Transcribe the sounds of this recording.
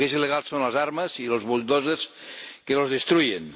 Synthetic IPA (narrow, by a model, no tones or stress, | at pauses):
kezileɣ̞alˠsːonlɐzaɾmɐzilozβold̪ozes | kelozðest̪ɾujen